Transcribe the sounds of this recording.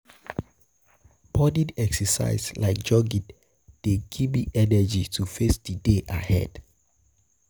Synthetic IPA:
b̥ɔdidɛksɛsa̰ɪzlaɪk̚d͡ʒɔɡit | d̥eɡibiʔɛnɛd͡ʒitʰufesdideʔa̰hɛ̰d̥

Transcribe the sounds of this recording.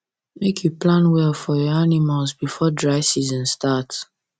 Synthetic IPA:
mekʰjuplãnwɛlfɔjɔanimalzbifɔdɹaɪsizə̃nstat

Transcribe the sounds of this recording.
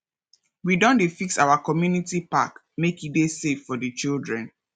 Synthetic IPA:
widɔ̃ndefiksawakɔmjunitipa̰k | mekidesefːɔdət͡ʃildɹɛ̃n

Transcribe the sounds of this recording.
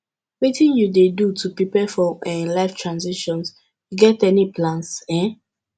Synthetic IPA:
witĩnjudedutʰupipɛfɔɛ̃nlaɪftɹãnziʃɔ̃ns | juɡɛtɛnipʰlãnsɛ̃

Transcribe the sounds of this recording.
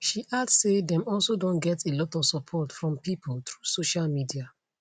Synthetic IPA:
ʃiʔassedɛ̃mɔlˠsodõnɡɛtʰelɔtɔv̥sɔpʰɔtfɹɔ̃mpipʰoltɹuːsoʃalmidia

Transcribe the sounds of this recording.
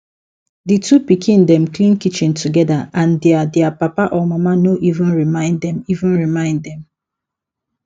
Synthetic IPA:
ditʰupikʰĩndɛ̃mklĩnkit͡ʃĩntʰuɡɛdaãndɛadɛapapaʔɔmamanoʔivũnɹimãɪ̃nddɛ̃mivũnɹimãɪ̃ndɛ̃m

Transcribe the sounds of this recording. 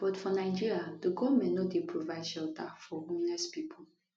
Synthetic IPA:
b̥ɔtfɔnaɪd͡ʒiɹiadəɡɔvmɛ̃nnɔdepʰɹovaɪdʃɛltʰafɔũmlɛspipʰo

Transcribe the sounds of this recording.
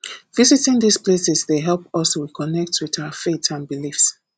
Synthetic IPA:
v̥izitɪ̃ŋðisplesɛzðeɦɛlˠpɔsikʰɔnɛk̚twiðaʊəfetsãnbilifs

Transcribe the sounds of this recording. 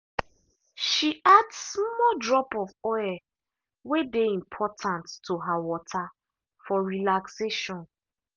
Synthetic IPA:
ʃiadsmɔdɹɔpɔvɔɛ | wedeĩmpʰɔtʰãntːoɦawɔtʰa | fɔɹilakseʃɔ̃n

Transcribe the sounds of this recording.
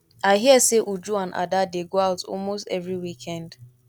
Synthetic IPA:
aɪɦiɛseʔud͡ʒuãnʔa̰dadeɡoaʊtɔ̰lmostɛ̰vɹiwikʰɛ̃nd

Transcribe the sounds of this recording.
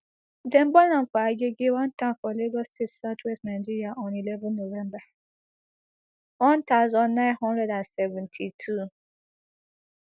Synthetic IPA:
dem̩bɔlãnfɔaɡeɡewãn̩tãfɔleɡɔstʰetsatʰwɛstnaɪd͡ʒiɾiaʔɔ̃nilɛvɛ̃nːovɛ̃mba | wɔ̃n̩tazɔnːãɪ̃nɦɔ̃ndɹɛdansɛvɛ̃ntʰitʰu

